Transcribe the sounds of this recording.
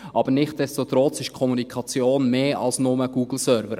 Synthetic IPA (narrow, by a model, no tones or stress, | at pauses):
ʔɑbəɾnɪχt̚d̥ɛstot̪ɾɔt͡sɪʃkʰɔmunikʰɑt͡sjoːnmeːɑ̰lsnʊməɡ̥uːɡ̥l̩sœɾvəɾ